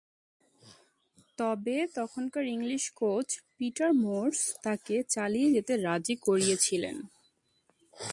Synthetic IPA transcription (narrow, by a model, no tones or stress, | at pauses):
t̪ɔbet̪ɔkʰonkaɾiŋliʃkot͡ɕpiʈaɾmoɾst̪aket͡ɕalijed͡ʑet̪eɾad͡ʑikoɾijet͡ɕʰilḛn